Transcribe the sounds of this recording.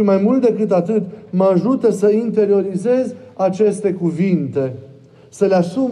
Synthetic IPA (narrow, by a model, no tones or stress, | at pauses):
imajmult̪̚d̪e̞kɨt̪at̪ɨt̪maʒut̪əsəint̪e̞ɾio̞ɾize̞zʲat͡ʃe̞st̪e̞kuvint̪e̞ | səleasum